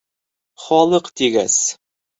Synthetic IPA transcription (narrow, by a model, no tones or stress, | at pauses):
χɒlˠɤqt̪iɡæ̰s